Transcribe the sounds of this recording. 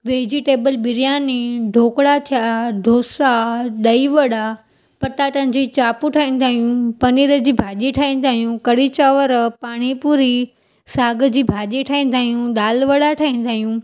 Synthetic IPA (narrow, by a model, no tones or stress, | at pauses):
ʋeːd͡ʑiʈeːbəlɓɪɾijaːniɖʱoːkɽat̪ʰijaɖʱoːsaɗɐiʋɐɽa | pɐʈaʈɐ̃ɪ̃ɲd͡ʑit͡ɕaːpuʈʰaːĩːn̆d̪aːɦijũpɐniːɾəd͡ʑiːbʱaːʄiʈʰaːĩːn̆d̪aːɦijũkɐɽit͡ɕaːʋəɾpaːɽ̃ipuːɾi | saːɡəd͡ʑiːbʱaːʄiʈʰaːĩːn̆d̪aːɦijũɗ̪aːlʋɐɽaʈʰaːĩːn̆d̪aːɦijũ